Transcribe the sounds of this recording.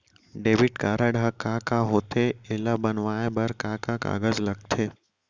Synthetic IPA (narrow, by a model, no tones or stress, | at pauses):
ɖeːʋɪʈkaːɾəɽɐkakaɦoːt̪ʰeɪlabənʋaːebɐɾkakaka̰ːɡəd͡ʒlɐɡ̚t̪ʰeː